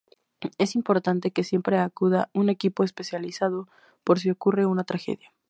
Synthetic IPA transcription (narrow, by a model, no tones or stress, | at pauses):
e̞simpo̞ɾt̪ant̪e̞ke̞sje̞mpɾe̞akuðaune̞kipo̞espe̞sjalisað̞o̞ | po̞ɾs̬iokure̞unat̪ɾaxe̞̰ðja